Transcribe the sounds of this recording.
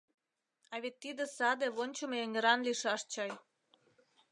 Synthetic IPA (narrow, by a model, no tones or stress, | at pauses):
ɑβet̪ːid̪ə̆sɑd̪eβonʲt͡ɕomjeŋʲĕɾɑnliʃɑʃt͡ɕɑj